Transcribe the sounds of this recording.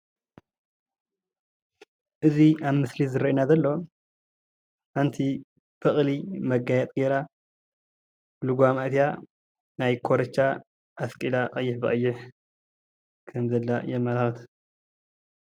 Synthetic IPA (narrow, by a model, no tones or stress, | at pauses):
ʔɨziaβmɨslizɨɾɐʔinazɐlːo | ʔant̪ʰi | bɨχʼlimɐɡajɛt̪ʼɡeɾa | bluɡʷamaʔt̪ja | najkʰoɾɐt͡ʃːa | ʔaskʼilaqʼɐjːɪħbɨχʼɐjːɪħ | kʰɐmzɐlːajɛmːalaxɨt̪ʰ